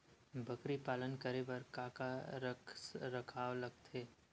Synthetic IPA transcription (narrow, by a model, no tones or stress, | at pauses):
bʱɐkɾipaːlənkəɾebɐɾkaːkaɾɾɐkʰaːʋlɐɡ̚t̪ʰeː